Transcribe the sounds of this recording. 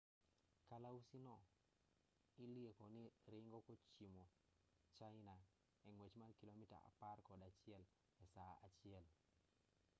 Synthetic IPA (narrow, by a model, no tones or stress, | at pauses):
kalausinɔ | iliekɔnɪɾɪŋɡɔkot͡ʃimo | t͡ʃaɪna | ɛŋwet͡ʃmalkilomita̰a̰parkɔdat͡ʃɪɛl | ɛsaa̰t͡ʃɪɛl